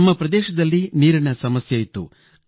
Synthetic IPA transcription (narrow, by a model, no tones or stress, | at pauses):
mːɐpɾɐd̪ɛːʃɐd̪ɐlːiniːɾinɐsɐmɐsjɐit̪ːṵ